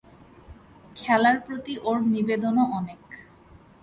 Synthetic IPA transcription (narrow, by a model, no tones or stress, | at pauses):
kʰɛlaɾpɾot̪iʔoɾnibed̪onoʔɔnek